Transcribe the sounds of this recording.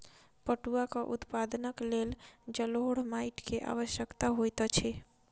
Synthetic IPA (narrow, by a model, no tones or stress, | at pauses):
pəʈuakəʔṵt̪pad̪nəkleld͡ʒəloɦɽ̤majʈkeʔa̰ʋəʃjəkt̪aɦojt̪ət͡ʃʰɛ